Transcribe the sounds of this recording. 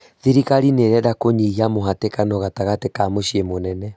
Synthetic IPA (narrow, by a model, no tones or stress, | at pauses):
ðiɾiɣaɾineɾɛdakoɲiɣiamoɦatekanɔɣataɣatekamoɕiemonɛnɛ